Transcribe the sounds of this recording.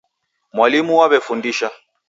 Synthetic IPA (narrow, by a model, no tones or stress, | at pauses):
mwalimuwaβɛfundiʃa